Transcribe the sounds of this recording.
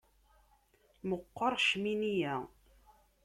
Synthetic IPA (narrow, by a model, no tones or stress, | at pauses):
məqːɑɾˤʃminijæ